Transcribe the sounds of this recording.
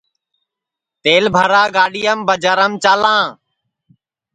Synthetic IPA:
t̪eːlbʱəɾaːɡaːɗijəmbəd͡ʒəɾəmt͡ʃaːlãː

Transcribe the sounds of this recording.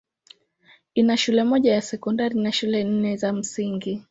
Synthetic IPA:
inaʃulɛmɔʄajasɛkɔndaɾinaʃulɛn̩nɛzam̩siŋɡi

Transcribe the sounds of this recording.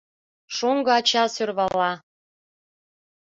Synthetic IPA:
ʃuŋɡɤɑt͡ɕɑsørβɑlːɑ

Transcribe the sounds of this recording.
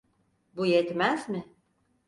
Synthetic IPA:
bujɛt̪mæzmɪ

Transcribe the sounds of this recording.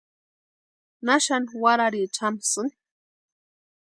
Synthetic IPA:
naʃanwaɾaɾit͡ʃʰamsɨn

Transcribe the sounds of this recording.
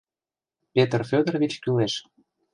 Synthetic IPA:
pʲet̪ərfʲød̪ə̆rβit͡ɕkyleʃ

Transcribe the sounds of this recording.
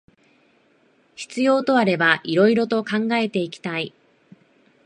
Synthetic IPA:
çi̥t͡sɨjo̞ːt̪o̞aɾe̞baʔiɾo̞iɾo̞t̪o̞kãŋɡae̞t̪e̞ikʲi̥t̪ai

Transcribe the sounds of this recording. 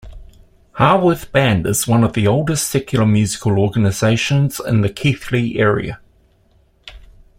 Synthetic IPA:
hɑːwəθb̥æ̃ndɪz̥wʌ̃nəvðioʊlˠdɪstsɛkʰjəl̩ˠəmjʉːzɪkʰəlˠɔːɡənəz̥eɪʃə̃nz̥ɪ̰̃nðəkʰiˑθliʔɛːɹḭə̰

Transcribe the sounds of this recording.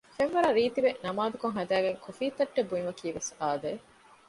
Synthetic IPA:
fenʋɐɾɐɾiːt̪iʋenɐmaːd̪ukoŋɦɐd̪æːɡeŋkʰufiːt̪ɐʈːebuimɐkiːʋesaːd̪eː

